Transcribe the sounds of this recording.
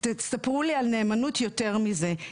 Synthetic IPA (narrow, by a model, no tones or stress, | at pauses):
tet͡stapʁulialneːmanutʰjoteʁmize